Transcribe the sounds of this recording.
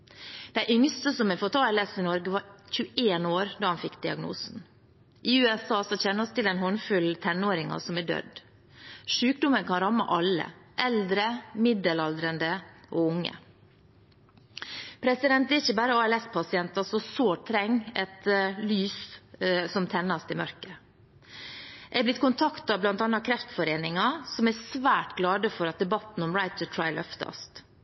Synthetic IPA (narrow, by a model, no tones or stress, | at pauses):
d̪̥æɪʔʏŋst̪əsɔmɛfɔt̪ɑːɛlɛsɪnɔɾɡəʋɑɾçʉʔeːnoːɾd̪ɑːhɑnfɪkːd̪ɪɑɡnṵːsn̩ | ʔɪʉːɛsɑːsɔçɛnːəɾɔst̪ɪlɛnɦɔnːfʉlt̪ʰɛnːoːɾɪŋɑ̰sɔmæɖø̰ːd̪ | ʂʉːkd̪ʊmənkʰɑnɾɑmːɑ̰ʔɑlːə̰ʔɛld̪ɾəmɪd̪əlɑld̪ɾənd̪əʔɔːʊŋːə̰ | pʰɾɛsɪd̪ɛnt̪̚d̪ɛɾɪçəbæːɾəɑːɛlɛspʰɑsɪɛnt̪ɑsɔsoːʈ̪ʰɾɛŋːɛt̪lyːs | sɔmt̪ʰɛnːɑst̪ɪmœɾkə | ɛɡb̪ɪt̪̚kʰʊnt̪ʰɑkt̪ɑblɑnt̪ɑnːɑkʰɾɛft̪fɔɾeːnɪŋɑsɔmɛsʋæːʈɡlɑːd̪əfɔɾɑt̪̚d̪ɛbɑt̪n̩ɔmɹaɪt̪ʰət̪ʰɹɑɪlʔœ̰ft̪ɑ̰st̪